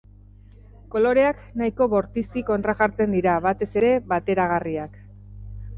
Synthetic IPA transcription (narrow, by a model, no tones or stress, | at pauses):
ko̞lo̞ɾe̞aknaiko̞βo̞ɾt̪iskiko̞nt̪ɾaʝaɾt͡se̞nd̪iɾaβat̪e̞se̞ɾe̞βat̪e̞ɾaɣ̞ariak